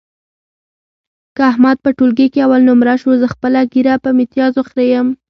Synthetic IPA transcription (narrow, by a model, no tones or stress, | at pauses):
kəahmad̪̚pəʈolɡekeawalnʊmɾaʃozəxpəlaɡiɾapəmet̪jɑzoxɾejəm